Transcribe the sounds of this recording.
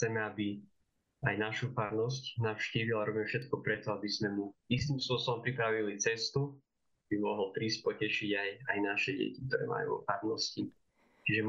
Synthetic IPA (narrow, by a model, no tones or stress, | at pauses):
t͡sɛmɛabi | ajnaʃufaɾnɔscnaʊʃciːʋilaɾɔbmɛfʃɛt̪kɔpɾɛt̪ɔabizmɛmuist̪imspʊɔsɔɔmpɾipɾaʋilit͡sɛst̪u | abimɔɦɔlp̪ɾiːsc̚pɔcɛʃiɟajajnaʃɛɟɛ̰cik̚t̪ɔɾɛ̰ːma̰jṵʋɔ̰faɾnɔsci | t͡ʃiʒɛm